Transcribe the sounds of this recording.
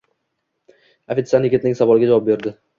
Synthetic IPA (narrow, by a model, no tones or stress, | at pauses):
afet̪sanjɪɡʲɪt̪nɪŋsavɒlɪɡʲad͡ʒavɒp̚beɾd̪ɪ